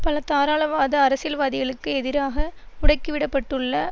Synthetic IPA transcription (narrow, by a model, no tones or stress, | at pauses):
pɐlɐt̪aːɾaːɭɐʋaːðɐːɾɐsɪlʋaːðɪɣɐɭɯkːɯɛðɪɾaːɣɐ | ʊɽɐɪkːɯʋɪɽɐpːɐʈːɯɭːɐ